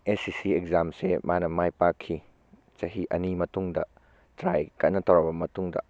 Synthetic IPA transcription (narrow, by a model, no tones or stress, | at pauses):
esisiekzamsemanɐmajpakʰːi | t͡ʃɐɦiʔɐnimɐtuŋdɐ | tɾajkɐnɐtʰɔwɾabɐmɐtuŋdɐ̰